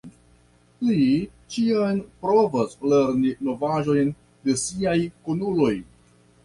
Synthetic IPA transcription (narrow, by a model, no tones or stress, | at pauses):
li | t͡ʃianpɾo̞vasle̞ɾnino̞vaʒo̞jn | de̞siajkonulo̞j